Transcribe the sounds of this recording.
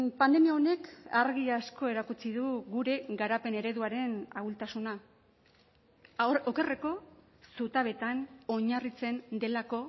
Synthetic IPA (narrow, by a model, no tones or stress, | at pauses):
pand̪e̞miaone̞kaɾɣiasko̞eɾakut͡siðuɣuɾe̞ɣaɾape̞ne̞ɾe̞ðuaɾe̞naɣult̪asuna | oke̞re̞ko̞ | sut̪aβe̞t̪ano̞ɲarit͡se̞nd̪e̞lako̞